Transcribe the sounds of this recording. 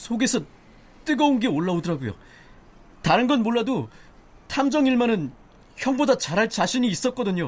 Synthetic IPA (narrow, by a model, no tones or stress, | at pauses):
sʰoɡe̞sʰʌ | t͈ɯɡʌonɡe̞oɭːaodɯɾaɡojo̰ | taɾɯnɡʌnmoɭːado | tʰamd͡ʑʌŋiɭmanɯn | çjʌŋbodat͡ɕaɾɦaɭt͡ɕaɕʰiɲiːs͈ʌt̚k͈ʌdɯɲo